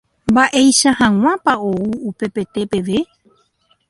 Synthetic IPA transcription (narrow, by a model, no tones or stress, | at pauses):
mbaʔe̞jʃahãŋ̃ãpao̞uupe̞pe̞t̪e̞pe̞ʋe̞